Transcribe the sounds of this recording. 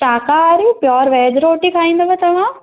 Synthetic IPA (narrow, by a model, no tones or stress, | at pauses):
ʈaːkaɾipjɔːɾʋɛːd͡ʒɾoːʈikʰaːĩːnd̪ɐbɐt̪ɐʋ̤ã